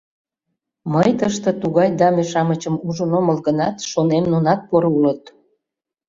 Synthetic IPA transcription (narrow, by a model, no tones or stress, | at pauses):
məjt̪əʃt̪ə̆t̪uɣɑjd̪ɑmeʃɑmət͡ɕəmuʒənoməlɣənɑt̪ʃonemnonɑt̪̚poɾulət̪